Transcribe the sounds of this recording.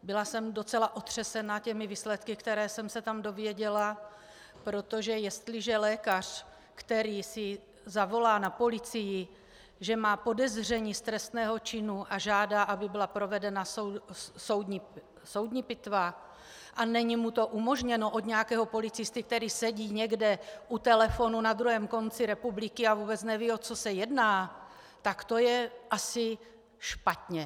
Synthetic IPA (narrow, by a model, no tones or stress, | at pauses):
bɪlasɛmdo̞t͡sɛlaʔo̞t̪r̥ɛsɛnacɛmɪviːslɛt̪kɪkt̪ɛɾɛːsɛmsɛt̪amdo̞vjɛɟɛla | pɾo̞t̪o̞ʒɛjɛst̪lɪʒɛlɛːkar̝̥ | kt̪ɛɾiːsɪ | zavo̞laːnapo̞lɪt͡sɪjɪ | ʒɛmaːpo̞dɛzr̝ɛɲiːst̪ɾɛst̪nɛːɦo̞t͡ʃɪnuʔaʒaːdaːʔabɪbɪlapɾo̞vɛdɛnasoso̞wd̪ɲi | so̞wd̪ɲipɪt̪va | ʔanɛɲimut̪o̞ʔumo̞ʒɲɛno̞ʔo̞d̪ɲɛjakɛːɦo̞po̞lɪt͡sɪst̪ɪk̚t̪ɛɾiːsɛɟiːɲɛɡdɛʔut̪ɛlɛfo̞nunad̪ɾuɦɛːmko̞nt͡sɪɾɛpublɪkɪavuːbɛt͡snɛviːo̞t͡sosɛjɛdnaː | t̪akt̪o̞jɛʔasɪ | ʃpat̪ɲɛ